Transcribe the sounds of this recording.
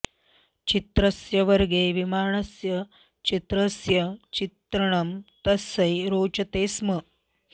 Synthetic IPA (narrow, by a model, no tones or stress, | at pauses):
t͡ɕit̪ɾɐsjɐʋɐɾɡeːʋimaːɳɐsjɐ | t͡ɕit̪ɾɐsjɐt͡ɕit̪ɾɐɳ̃ɐmt̪ɐsɐjɾoːt͡ʃɐt̪eːsmə